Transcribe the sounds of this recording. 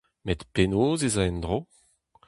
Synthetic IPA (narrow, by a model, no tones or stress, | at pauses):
met̪penoːzezaɛnd̪ʁo